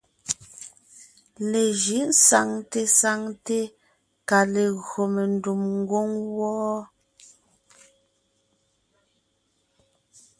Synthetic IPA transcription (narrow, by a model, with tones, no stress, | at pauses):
le˨ʒi˨˦n̩˦sa˨ŋte˦sa˦ŋte˦ | ka˨le˨ɣɰo˨me˨n˨du˨mŋ̩˦ɡwo˦ŋwɔː˦